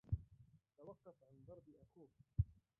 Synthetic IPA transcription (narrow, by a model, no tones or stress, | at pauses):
t̪awɑqːɑfʕand̪ˤɑɾˤbiʔaxuː